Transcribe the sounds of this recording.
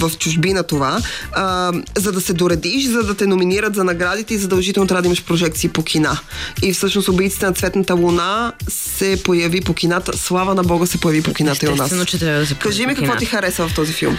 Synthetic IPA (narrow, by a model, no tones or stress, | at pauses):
vɐft͡ʃʊʒbinɐt̪ova | zɐd̪ɐsɛd̪oɾɛd̪iʃzɐd̪ɐt̪ɛnominiɾət̪zɐnɐɡɾad̪it̪ɛizɐd̪ɐlˠʒit̪ɛlˠnot̪ɾad̪imɐʃpɾoʒɛkt̪siːpokʲʰinaifsɤʃnost̪obɛit̪sit̪ɛnɐt̪svɛt̪nɐt̪əlˠunasɛpojɐvipokʲinat̪ə̰slˠavɐnɐbɔɡəsɛpojɐvipokinat̪əionast͡ʃɛt̪ɾʲabd̪skaʒimɛkɐvɔt̪ixɐɾɛsəvɐft̪ɔzifilˠm